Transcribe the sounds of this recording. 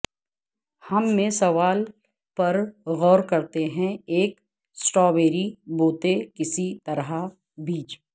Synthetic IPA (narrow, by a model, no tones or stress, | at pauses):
hɐmːẽsɐʋaːl | pɐɾɣɔːɾkɐɾt̪eɦɛ̃eːk | sʈɔːbeːɾiboːt̪ekɪsit̪ɐɾɦa | biːt͡ʃ